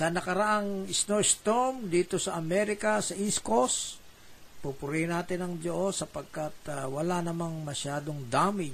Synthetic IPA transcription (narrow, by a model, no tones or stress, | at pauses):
sɐnɐkɐɾɐʔaŋɪsnoʔɪst̪omd̪iːt̪osɐʔɐmɛɾɪkɐsɐʔiskos | pupʊɾihnaːt̪ɪnɐŋd͡ʒoʔosːɐpɐɡ̚kat̪̚wɐlanɐmaŋmɐʃaːd̪oŋd̪aːmɪ